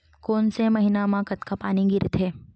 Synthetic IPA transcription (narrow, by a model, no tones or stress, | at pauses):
koːnsemɐɦinamãkɐt̪kapaːniɡɪɾɪt̪ʰeː